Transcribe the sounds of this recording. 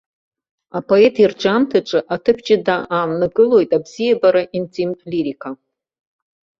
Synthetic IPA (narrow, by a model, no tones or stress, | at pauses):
apʰo̞etʰird͡ʒamtʰɨʈ͡ʂʷʼɨʔatʰɨpʰd͡ʒɪdaʔamnɨɡɨlo̞jtʼabz̥ijebaɾaʔintʰimʼliɾikʰa